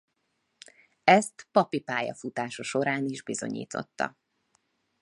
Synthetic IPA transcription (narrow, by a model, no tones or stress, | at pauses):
ɛst̪pɒpipaːjɒ̰fut̪aːʃɒʃo̞ɾaːniʒbizo̞̰ɲḭːt̪ʰo̞̰t̪ːɒ̰